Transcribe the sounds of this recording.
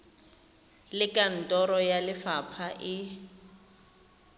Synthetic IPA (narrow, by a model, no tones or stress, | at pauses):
lɪkʼan̩tʼɔɾɔjalɪfapʰaʔɪ